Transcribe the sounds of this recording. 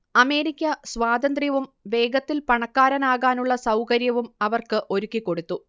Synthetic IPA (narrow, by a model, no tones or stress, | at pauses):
ɐme̞ːɾikʲːɐsʋaːd̪ɐnd̪rijɐʋumʋe̞ːɡɐt̪ːilpɐɳɐkːaːɾɐnaːɣaːnuɭːɐsɐwkɐɾjɐʋumɐʋɐrkɨʔo̞ɾukːikːo̞ɽut̪ːu